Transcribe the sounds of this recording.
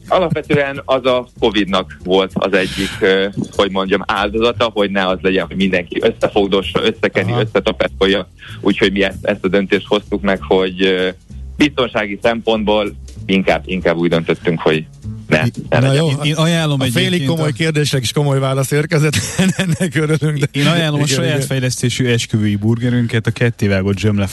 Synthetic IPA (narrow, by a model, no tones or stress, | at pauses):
ɒlɒpʋɛt̪øːɛnɒzɒko̞vid̪nɒkʋo̞lt̪ɒ̰zɛɟːikho̞ɟmo̞ɲɟɒmaːld̪o̞zɒt̪ɒɦo̞ɟnɛɒzlɛɟɛnɦo̞ɟmind̪ɛŋkiʔø̞sːɛfo̞ɡd̪oʃøsːɛkɛnːiø̞sːɛt̪ɒpɛsko̞jːɒ | uːcho̞ɟmiɛst̪ɛ̰st̪ɒd̪ø̞nt̪eːʃt̪ho̞st̪ukmɛkho̞ɟ | bist̪o̞nʃaːɡisɛmpo̞nd̪boːliŋka̰ːbiŋkaːbːuːɟd̪ønt̪ø̞t̪ːyŋkho̞̰ɟ | nɛ̰ɛ̰njoːeːnɒjaːlːo̞mɛɟfeːlikko̞mo̞jkeːrd̪eːʃɛke̥ʃkomo̞jvaːlɒseːrkɛzɛt̪nɛnːɛkøɾylyŋɡd̪ɛeːnɒjaːlːo̞mɒʃɒjaːt̪fɛjlɛst̪eːʃyːɛʃkøvøːjiburɡɛɾyŋkɛt̪ɒkɛt̪ːeːvaːɡo̞t̪d͡ʒømlɛ